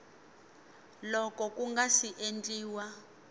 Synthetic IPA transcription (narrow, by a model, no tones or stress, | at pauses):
lɔkɔkuŋɡasiʔend͡ɮʼiːwa